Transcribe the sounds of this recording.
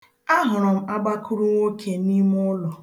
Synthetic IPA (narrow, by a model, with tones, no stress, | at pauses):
a˦ɦʊ˨ɾʊ˨m̩˦a˦ɡ͡ba˦kʰʊ˦ɾu˦ŋʷo˦kʰe˨ni˦m˦ʊ˦lɔ˨